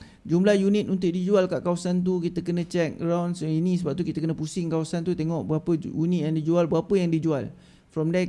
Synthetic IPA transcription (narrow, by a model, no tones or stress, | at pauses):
d͡ʒumlahjunɪt̪unt̪ʊʔ̚did͡ʒualkaʔkawasant̪̬ukit̪əkənə̃t͡ʃɛk̚əɾawnsinĩsəbap̚t̪̬ukit̪əkənə̃pusɪŋkawasant̪ut̪eŋɔʔbəɣapəjunijandid͡ʒualbəɣapəjaŋdid͡ʒual | fɾɔmdɛ